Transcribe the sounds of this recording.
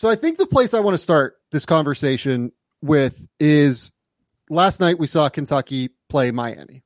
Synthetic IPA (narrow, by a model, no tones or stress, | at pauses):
soʊaɪθɪ̃ŋk̚ðəpʰl̥eɪsaɪwɑ̃ñɨstɑɹt̪̚ðɪskʰɑ̃ɱvə˞seɪʃɨ̃n | wɪðɪz | læstⁿnaɪt̚wisɔkʰɨ̃n̩tʰʌkipʰl̥eɪmaɪæ̰nḭ